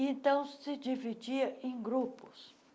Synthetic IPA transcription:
ẽnt̪ɐ̃w̃sɪd͡ʒivid͡ʒiɐʔẽj̃ɡɾupʊ̥s

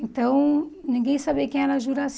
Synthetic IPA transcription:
ẽnt̪ɐ̃w̃nĩŋɡẽj̃sabekẽɛɾɐʒuɾas

